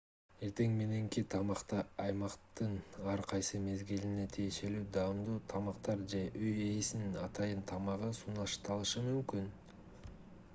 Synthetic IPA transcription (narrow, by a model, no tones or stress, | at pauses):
e̞ɾt̪e̞ŋme̞ne̞ŋkit̪ʰɑmɑqt̪ɑɑjmɑqt̪ɯnɑɾqʰɑjsɯme̞zɡiline̞t̪ʰije̞ʃe̞lyːd̪ɑmd̪uːt̪ʰɑmɑqt̪ɑɾd͡ʒe̞ʔøje̞ːsnnɑt̪ɑjɯnt̪ʰɑmɑʁɯsuːnɑʃt̪ɑlˠɯʃɯmymkyn